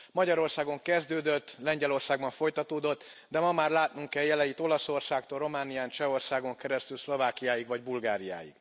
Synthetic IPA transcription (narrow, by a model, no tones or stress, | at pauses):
mɒɟɒɾo̞rsaːɡo̞ŋkɛzd̪øːd̪øt̪ːlɛɲɟɛlo̞rsaːɡ̚bɒɱfo̞jt̪ɒt̪oːd̪o̞t̪ːd̪ɛmɒmaːrlaːt̪̚nuŋkɛjjɛlɛjit̪o̞lɒso̞rsaːk̚t̪olro̞maːnijaːnt͡ʃɛo̞rsaːɡo̞ŋkɛɾɛst̪ylslo̞vaːkijaːjiɡʋɒɟbulɡaːɾija̰ːjḭɡ̥